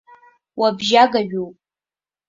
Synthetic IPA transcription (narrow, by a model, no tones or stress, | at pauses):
wabʒaɡaɥᶣowpʼ